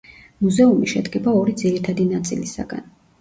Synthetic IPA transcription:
muzɛumiʃɛd̪ɡɛbaɔɾid̪ziɾit̪ʰad̪inat̪sʼḭlisa̰ɡa̰n

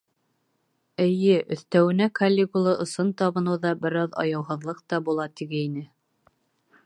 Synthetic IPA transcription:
ɘ̆jɘʔɵ̆θt̪æwɘ̆nækɐlʲːekulˠɤʔŏsɤnt̪ɑβɤ̆nɤwðɑbɘ̆ɾɑðɑ̰jɑwɦɤ̆ðlˠɤq̚t̪ɑbulˠɑt̪iɡɘinɘ

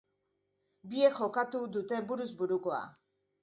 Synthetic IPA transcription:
bie̞xo̞kat̪ud̪ut̪e̞buɾuzbuɾuko̞a̰

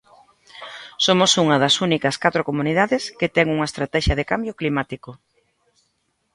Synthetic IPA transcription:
somʊsuŋɐðɐsunikɐskat̪ɾʊkomuniðaðɪskɪt̪ɛŋuŋɐest̪ɾat̪ɛʃɐðekambjʊklimat̪ikʊ

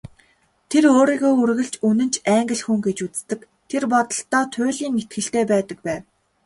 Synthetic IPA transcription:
t̪ʰeɾoːɾiːɣoːurɣɘ̆ɬt͡ɕunɘ̆nt͡ɕʰæːŋɡɘ̆ɮxuŋɡet͡ɕut͡st̪ɘ̆k | t̪ʰerpɔt̪ɞ̆ɬt̪ɔːt̪ʰʊːɮiːnːet̪̚ɡɘ̆ɬt̪eːpæːt̪ə̆k̚pæːw

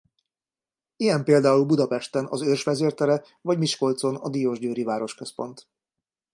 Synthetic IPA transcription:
ijɛmpeːld̪aːulbud̪ɒpɛʃt̪ɛnɒzørʃʋɛzeːrt̪ɛɾɛ | vɒɟmiʃko̞lt̪so̞nɒd̪ijoːʒɟøːɾivaːɾo̞ʃkø̞spo̞nt̪

